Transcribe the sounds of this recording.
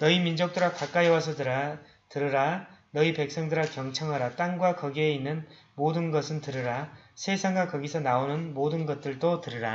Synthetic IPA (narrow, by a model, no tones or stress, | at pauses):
nʌimind͡ʑok̚t͈oɾakak͈aiwasʰʌdɯɾa | tɯɾɯɾanʌipe̞k̚s͈ʌŋdɯɾakjʌŋt͡ɕʰʌŋɦaɾat͈aŋɡwakʌɡie̞inːɯn | modɯnɡʌsʰɯntɯɾɯɾasʰe̞sʰaŋɡakʌɡisʰʌnaonɯnmodɯnɡʌt̚t͈ɯɭt͈otɯɾɯɾa